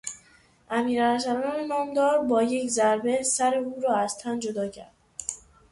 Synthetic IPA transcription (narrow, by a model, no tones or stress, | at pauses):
ʔæmiːɾæhæs̬æɾɒnenɒːmd̪ɒːɾbɒːje̞czæɾbe̞sæɾeuːɾɒːæzt̪ʰænd͡ʒo̞d̪ɒːcʰæ̰ɾd̥̪